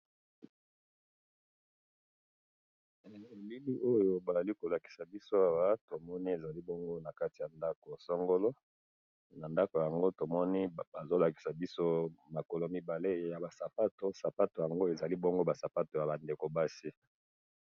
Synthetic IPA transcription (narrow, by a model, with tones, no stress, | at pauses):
e˨li˦li˦ʔo˦jo˨ba˨za˨li˦ko˨la˨ki̥˨sa˨bi˦so˦a˨wa˦to˨mɔ˦ni˦e˨za˨li˦bo˦ŋɡo˦na˨ka˦ti˨ja˨nda˦ko˨sɔ˦ŋɡo˦lo˦ | na˨nda˦ko˨ja˨ŋɡo˦to˨mɔ˦ni˦ba˨zo˦la˨ki̥˨sa˨bi˦so˦ma˨ko˨lo˨mi˦ba˨le˦ja˨ba˨sa˨pa˦to˦sa˨pa˦to˨ja˨ŋɡo˦e˨za˨li˦bo˦ŋɡo˦ba˨sa˨pa˦to˨ja˨ba˨nde˨ko˨ba˦si˦